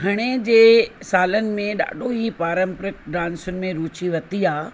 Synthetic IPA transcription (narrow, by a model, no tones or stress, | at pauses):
ɡʰʱɐɽ̃ed͡ʑeːsaːlənɪ̆mẽɗa̰ːɖʱoɦipaːɾə̃mpɾɪkɖãːnsʊnɪ̆mẽɾuːt͡ɕiʋɐt̪iaː